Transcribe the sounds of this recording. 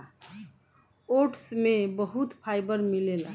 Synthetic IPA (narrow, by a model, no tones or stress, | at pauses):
oʈsmebəɦut̪pʰajbəɾmilela